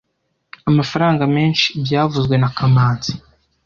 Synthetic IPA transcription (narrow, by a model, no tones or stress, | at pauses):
amafaɾaːŋɡameːnʃi̥bɟaːvuzɡwe̞nakʰamaːnzi̥